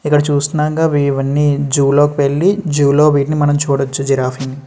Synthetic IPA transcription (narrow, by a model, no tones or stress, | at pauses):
ikːɐɽɐt͡ʃuːsunaːɡaːʋiːʋɐnːid͡ʒuːloːkipeɭːid͡ʒuːloːʋiːʈnimɐnɐmt͡ʃuːɽɐt͡ʃːud͡ʒiɾaːfʰini